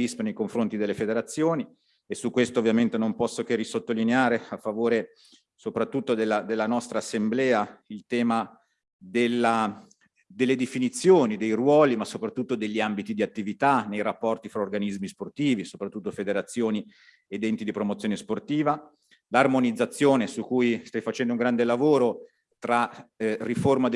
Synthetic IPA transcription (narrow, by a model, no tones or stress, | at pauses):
ispenejkoɱfɾont̪id̪elːefed̪eɾat̪sːjoːni | esukːwest̪oːvːjament̪enompɔsːokerːisot̪ːolineaːɾeafːavoːɾe | sopɾat̪ːut̪ːod̪elːad̪elːanɔst̪ɾaːsːemblɛːailt̪ɛːma | d̪elːa | d̪elːed̪efinit̪sːjoːnid̪ejrwɔːlimasːopɾat̪ːut̪ːod̪eʎːiambit̪id̪iat̪ːivit̪anːejɾapːɔrt̪ifɾaorɡanizmisport̪iːvisopɾat̪ːut̪ːofed̪eɾat̪sːjoːni | ed̪ɛnt̪id̪ipɾomot̪sjoːnesport̪iːva | larmonid̪zːat̪sːjoːnesukːujst̪ajfat͡ʃɛnd̪ouŋɡɾand̪elavoːɾo | t̪ɾariformad̪